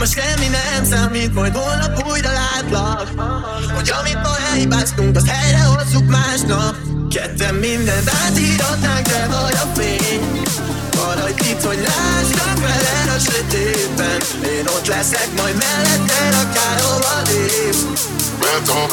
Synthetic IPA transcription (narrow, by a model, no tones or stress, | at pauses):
moʃʃɛmːinɛmsaːmiːt̪mɒjd̪volnɒkuːjɾɒlaːt̪lɒk | ho̞ɟɒmit̪mɒɛlhibaːst̪uŋkɒzhɛjɾɛolt̪ukmaːʃnɒp | kɛt̪ːɛmːind̪ɛnt̪aːt̪iːɾot̪ːaːŋkdɛvɒjɒfeːɲ | vɒlɒoɟit̪ho̞ɟlaːtɾɒkfɛlɛɾøʃek̪eː | pːɛn | eːno̞t̪lɛsɛkmɒjd̪mɛlːɛt̪ːɛɾɒkaːɾovɒd̪eː | mɛt̪o